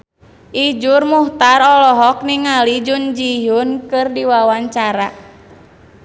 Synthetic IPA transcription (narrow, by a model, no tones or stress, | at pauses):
ʔid͡ʒurmuht̪arɔlɔɦɔk̚niŋalid͡ʒund͡ʒijunkɨrdiwawaɲt͡ʃaɾa